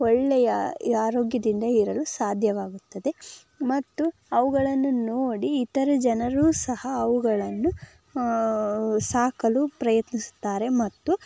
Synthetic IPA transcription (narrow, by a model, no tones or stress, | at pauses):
ɔɭːɛjɐaːɾoːɡjɐd̪ind̪ɐiɾɐlusaːd̪ʱjɐʋaːɡut̪ːɐd̪e̞ | mɐt̪ːuɐʋuɡɐɭɐnːunoːɽiːt̪ɐɾɐd͡ʒɐnɐɾuːsɐhɐːʋuɡɐɭɐnːu | saːkɐlupɾɐjɐt̪nisu̥t̪ːaːɾe̞mɐt̪ːu